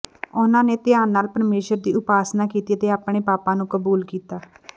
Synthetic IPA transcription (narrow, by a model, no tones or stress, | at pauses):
ʊnãːneːt̪ɪjaːnːaːlpəɾmeːʃəɾd̪iːʊpaːsnaːkiːt̪iːət̪eːaːpɳeːpaːpãːnũːkəbuːlkiːt̪aː